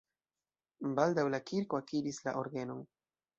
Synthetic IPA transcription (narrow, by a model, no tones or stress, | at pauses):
baldawlakʰiɾkoakiɾisla̰ʔo̞ɾɡe̞no̞n